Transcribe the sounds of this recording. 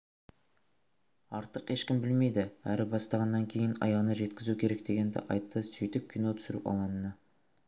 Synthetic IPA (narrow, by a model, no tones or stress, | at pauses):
ɑɾt̪əqeʃkʲɪmbɪlme̞jd̪ɪæɾɪbɑst̪ɑʁɑnːɑŋkʲʰe̞jɪnɑ̰jɑʁənəʒe̞t̪kʲɪzukʲʰe̞ɾek̚d̪e̞ɡʲe̞nd̪ɪ̰ʔɑ̰jt̪ːəsɵjt̪ɪp̚kʲʰːijno̞t̪ʰʏ̥sɪɾɪ̰pɑ̰lˠɑnənə